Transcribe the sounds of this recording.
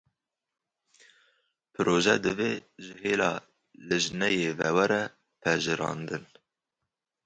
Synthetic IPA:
pʰɨɾoːʒɛd̪ɨveːʒɨheːlɑː | lɨʒnɛjeːvɛwɛɾɛ | pʰɛʒɨɾɑ̰ːnd̪ɨn

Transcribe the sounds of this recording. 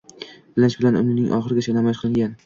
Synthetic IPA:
bɪlɪnʃbɪlanʊ̰nɪnɪ̰ŋʔɒ̰χɨɾɪɡʲat͡ʃʰanamɒʃqʰɨlˠɪŋɡʲan

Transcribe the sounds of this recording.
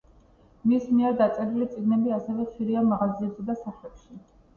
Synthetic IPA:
mismiɛɾd̪at̪sʼɛɾilit̪sʼiɡnɛbiasɛvɛχʃiɾiamaʁaziɛbzɛd̪asaχlɛpʃi

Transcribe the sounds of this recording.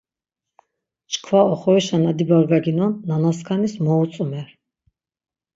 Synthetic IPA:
t͡ʃʰkʰwaɔχɔiʃanad̪ibaɾvaɡinɔnːanaskʰanismɔut̪sʼmɛɾ

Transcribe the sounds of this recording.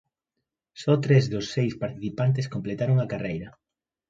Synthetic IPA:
sɔt̪ɾezðʊsːejspaɾt̪iθipant̪̬ɪskomplet̪aɾoŋakarejɾɐ

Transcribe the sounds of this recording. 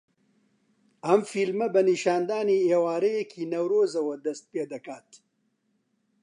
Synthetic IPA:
ɐmfilmɐbɐniʃaːnd̪aːniːeːwaːɾɐjekʰiːnɐwɾoːzɐwɐd̪ɐst̪̚peːd̪ɐkaːt̪

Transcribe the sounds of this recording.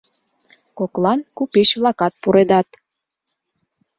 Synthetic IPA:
koklɑnkupiʃβlɑkɑt̪̚puɾed̪ɑt̪

